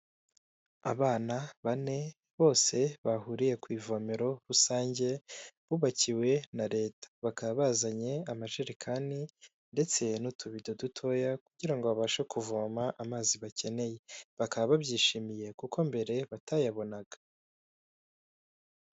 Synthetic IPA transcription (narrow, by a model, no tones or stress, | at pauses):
a̰βaːnaβane̞ | βo̞ːse̞βaɦuɾije̞kwiːvo̞meɾo̞ɾusaːɲɟe̞βuβaciwe̞naɾe̞ːtḁβakaββazaɲe̞amaʒeɾikʰani | nde̞t͡se̞nutʰuβido̞dutʰo̞jakuɟiɾaŋɡo̞βaβaʃakuvoːmaʔːmaːziβace̞ne̞je̞βakaβaβabɟiːʃiːmije̞kuko̞mbe̞ɾe̞βatajaβo̞naɡ̥ḁ